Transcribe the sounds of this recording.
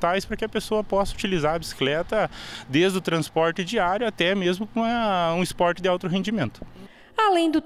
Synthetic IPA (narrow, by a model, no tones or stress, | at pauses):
t̪ajspɾɐkɪɐpesoɐpɔsɐut͡ʃilizaɾɐbisi̥klɛt̪ɐd̪ezd̪ʊt̪ɾɐ̃spɔɾt̪ɪd͡ʒiaɾjʊat̪ɛmezmʊkɐũispɔɾt͡ʃ̪ɪd̪ɪawt̪ɾʊɦẽnd͡ʒimẽnt̪ʊ̥ | alẽj̃d̪ʊ